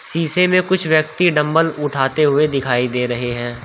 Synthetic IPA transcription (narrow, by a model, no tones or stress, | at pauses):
siːsemẽkʊt͡ʃʰʋjək̚t̪iɖɐ̃mbəlʊʈʰaːt̪eɦʊed̪ɪkʰaːid̪eːɾɐɦeɦɛ̃ː